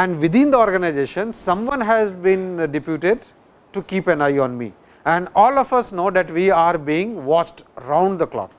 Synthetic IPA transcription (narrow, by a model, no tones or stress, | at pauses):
ɛ̃ɳɖʋɪd̪ɪ̃nd̪əɔːɾɡənaɪzeːʃə̃nsʌ̃mʋʌ̃nɦæzbĩnɖɪpjuːʈeɖ | ʈukiːpɛ̃naɪɔ̃nmḭː | ɛ̃ɳɖɔːlɔfʌsnoːd̪æʈʋiːaːɾbiːɪ̃ŋʋɔːt͡ʃʈɾãʊ̃ɳɖd̪əklɔ̰ːk